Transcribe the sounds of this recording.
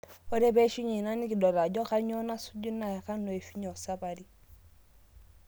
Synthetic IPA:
ɔ˦ɾɛ˦bɛ˦ʃi˦ɲi˨na˦ni˦ki˨dɔ˨ɾa˨d͡ʒɔ˦ka˦ɲɔ˦na˦su˦d͡ʒu˦na˨ka˦nɔ˨e˨fi˦ɲɔ˨sa˦ba˨ɾi˦

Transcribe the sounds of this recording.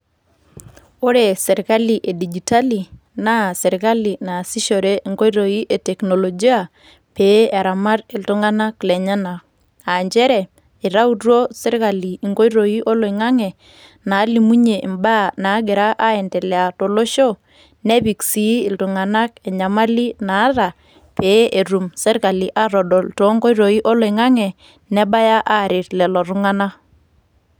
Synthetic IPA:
o˦ɾe˨sɛ˨ɾka˦li˨ʔe˨di˨d͡ʒi˨ta˦li˨ | na˦sɛ˨ɾika˦li˨na˨si˦ʃo˨ɾe˦i˨ŋɡo˦ɾo˨i˦ʔe˨tɛ˨kno˨lo˨d͡ʒi˦a˨ | pe˦ɛ˨ɾa˨ma˦ɾɪ˨ltu˦ŋa˦na˦klɛ˨ɲa˦na˨k | a˨ɲd͡ʒɛ˦ɾɛ˨ | i˨ɾa˦u˦tuo˦sɛ˦ɾka˨liː˨ŋɡo˦ɾo˨i˦ʔo˦lo˨i˨ŋa˦ŋɛ˨ | na˨˦li˨mu˦ɲe˨ʔi˨mba˦˨na˨˦ɡɪ˨ɾa˦ʔa˦ɛ˨ntɛ˨lɛ˨a˨to˨lo˦ʃo˦ | nɛ˦bi˨ksi˨˦ɪ˨ltu˨ŋa˨na˦kɛ˨ɲa˨ma˦li˦na˨˦ɾa˨ | pe˨˦ʔe˨ɾu˨msɛ˦ɾka˨li˨ʔa˦ɾɔ˨dɔ˨lto˨˦ŋɡo˦jɾo˨i˦ʔo˦lo˨ɪ˨ŋa˦ŋɛ˨ | nɛ˦ba˦ja˦ʔa˦˨ɾɪ˨tlɛ˨lɔ˨ɾʊ˦ŋa˦na˦

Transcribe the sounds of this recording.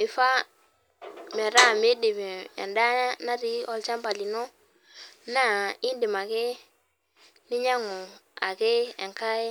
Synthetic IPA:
i˨fa˦ | me˨ɾa˦˨me˦di˨mi˨ḛ˨nda˦a˦na˦ɾi˦ɔ˨lt͡ʃa˦mba˨li˨no˦ | na˦i˦ndi˨ma˨ke˦ | ni˦ɲa˦ŋu˨ | a̰˨ke˦ḛ˨ŋka˦e˦

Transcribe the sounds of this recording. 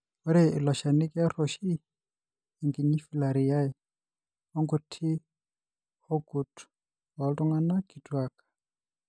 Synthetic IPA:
ɔ˦ɾɛ˦i˨lɔ˨ʃa˨ni˦kʼi˦a˦ɾɔ˨ʃiː˦˨ | ŋɡi˨ɲi˦fi˦˨la˨ɾi˨ja˦ɛ˨ | ɔ˦ŋɡu˨tʰi˦ | hɔ˦ɡu˨tʰu̥˨ | wa˨˦tɔ˦ŋa˦na˦ki˨twa˦kḁ˨

